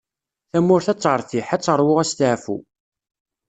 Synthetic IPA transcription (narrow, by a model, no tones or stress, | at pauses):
θæmːʊɾθæt͡sˤːəɾˤθiħæt͡sːˤəɾˤwʊʁæst̪ʕfṵ